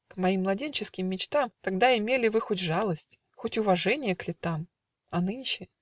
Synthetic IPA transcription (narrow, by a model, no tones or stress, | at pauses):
kmɐimːlˠɐdʲenʲt͡ɕɪskʲɪmːʲɪt͡ɕt̪amt̪ɐɡ̚d̪aɪmʲelʲɪvɨxotʲʐalˠəsʲtʲ | xotʲʊvɐʐɛnʲɪjəklʲɪt̪am | ɐnɨnʲʃɪ